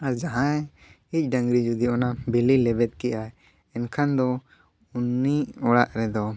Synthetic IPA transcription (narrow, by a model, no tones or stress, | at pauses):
aɾd͡ʒaɦã | ic̚ˀɖaŋɡɾid͡ʒud̪iʔɔnabililɛbɛt̪̚kɛʔaj | ɛnkʰand̪ɔ | unːiɔɽaʔɾɛd̪ɔ